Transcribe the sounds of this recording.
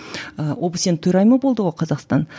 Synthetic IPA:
əwʔobəsent̪ʰʊjɾɑjməbo̞lˠd̪əʁoqʰɑzɑqst̪ɑn

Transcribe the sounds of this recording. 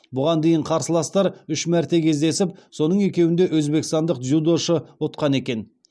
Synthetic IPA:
bʊʁɑnd̪e̞jɪɴqʰɑɾsəlˠɑst̪ɑɾʏʃmæɾt̪e̞kʲʰe̞zd̪e̞sɪpso̞nəɴe̞kʲe̞wɪnd̪e̞ʔwɵzbe̞kɪst̪ɑnd̪əq̚ʒud̪o̞ʃəwot̪̚qɑne̞kʲe̞n

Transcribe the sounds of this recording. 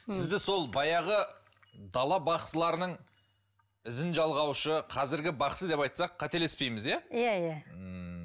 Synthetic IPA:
sɪzd̪ɪso̞lˠbɑjɑʁə | d̪ɑlˠɑbɑqsəlˠɑɾənəɴ | ɪzɪnʒɑlˠʁɑwʃəqʰɑzɪɾɡʲɪbɑqsəd̪e̞pɑjt̪sɑqʰːɑt̪e̞lespe̞jmɪzjajajaə

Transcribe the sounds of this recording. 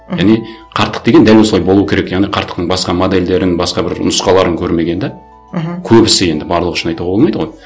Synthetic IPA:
jæʁniqʰɑɾt̪ːəq̚d̪eɡe̞nd̪ælwosəlˠɑjbo̞lˠuəkʰʲeɾe̞kjɑʁniqʰɑɾt̪əqt̪əɴbɑsqɑmod̪e̞ld̪e̞ɾɪnbɑsqɑbɪɾ̰nʊsqɑlˠɑɾəŋkʲʰɵɾme̞ɡʲe̞nd̪æ | kʲʰɵbɪsɪe̞nd̪ɪbɑɾlˠəʁəʏʃɪnɑjt̪uʁɑbolˠmɑjd̪əʁoj

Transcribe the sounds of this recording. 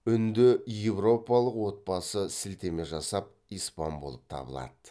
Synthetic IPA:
ʏnd̪ɪje̞vro̞pɑlˠəqwo̞t̪̚bɑsəsɪlt̪e̞me̞ʒɑsɑp̚ | ijspɑ̰nbo̞lˠəp̚t̪ʰɑ̰bəlˠɑ̰d̪̥ə

